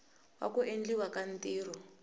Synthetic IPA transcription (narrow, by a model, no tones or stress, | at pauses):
wa̰kuʔend͡ɮiwakan̩tiːɾ̤ɔ